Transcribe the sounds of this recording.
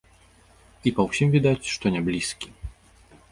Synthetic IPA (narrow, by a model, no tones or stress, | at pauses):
ipɐwsʲimvʲid̪at͡sʲʂt̪ɔnʲablʲiskʲi